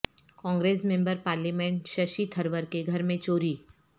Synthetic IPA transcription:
kɔ̃ːŋɡɾeːsmẽmbəɾpaːɾlimẽɳʈʃɐʃit̪ʰɐɾʋəɾkeɡʱɐɾmẽt͡ʃoːɾiː

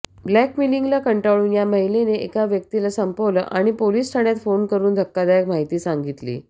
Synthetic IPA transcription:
blækmiliŋɡlakəɳʈaʋɭuːnjaməɦileneekaʋjək̚t̪ilasəmpoʋlə̰ʔaɽ̃ipoliːst̪ʰaɽ̃jat̪fonkəɾuːnd̪ʱəkːad̪ajəkm̤aɦit̪iːsaŋɡit̪lḭː

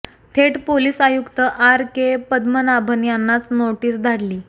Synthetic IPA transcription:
t̪ʰeʈpoliːsajukt̪əʔaɾkepəd̪mənabʱənjanːat͡snoʈiːsd̪ʱaɽliː

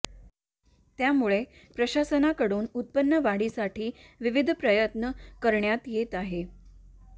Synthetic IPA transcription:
t̪jamuɭepɾəɕasənakəɽuːnut̪̚pənːəʋaɽisaʈʰiːʋiʋid̪ʱpɾəjət̪nəkəɾɳjat̪jet̪aɦe

